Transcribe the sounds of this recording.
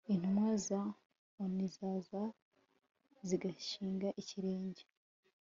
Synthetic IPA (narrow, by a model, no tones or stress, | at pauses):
in̥humwaza | onizaːza | ziɡaʃiːŋɡaʔiciɾe̞ːɲɟe